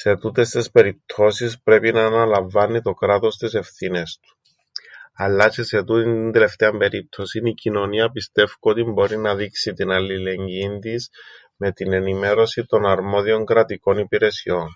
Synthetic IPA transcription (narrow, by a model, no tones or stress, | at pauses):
se̞t̪ut̪e̞st̪ispe̞ɾip̚t̪ʰo̞sispɾe̞pinɐːnɐlɐɱvɐnːit̪o̞kɾat̪o̞st̪ise̞fθine̞st̪u̥ | ɐlːɐt͡ʃʰese̞t̪ut̪inind̪ele̞ft̪eɐmbe̞ɾip̚t̪ʰo̞sinicino̞niɐpist̪e̞fkoot̪imbo̞ɾinɐðiksit̪inɐlile̞ɲɟind̪is | me̞t̪ine̞nime̞ɾo̞sit̪o̞nɐɾmo̞ðio̞ŋkɾɐt̪iko̞nipiɾe̞sio̞n